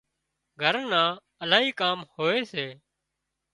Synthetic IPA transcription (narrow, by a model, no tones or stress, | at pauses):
ɡʱəɾnãː | əlaːɦiːkaːmhoːeːseː